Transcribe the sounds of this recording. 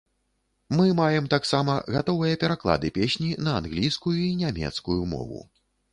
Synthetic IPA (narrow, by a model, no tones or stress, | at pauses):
mɨmajɛmt̪aksamɐɣat̪ɔvɨjɐpʲɛɾaklˠa̰d̪ɨpʲesʲnʲinɐanɣlʲijskujuinʲamʲɛ̰t̪skujumɔ̰vṵ